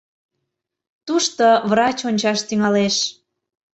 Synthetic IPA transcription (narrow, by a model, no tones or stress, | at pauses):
t̪uʃt̪oβrɑt͡ɕonʲt͡ɕɑʃt̪yŋɑleʃ